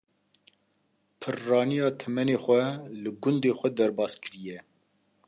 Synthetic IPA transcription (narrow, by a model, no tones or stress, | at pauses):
pʰɨrːɑːnijɑːt̪ʰɛmɛneːxʷɛlɨɡʊnd̪eːxʷɛd̪ɛɾbɑːskɨɾijɛ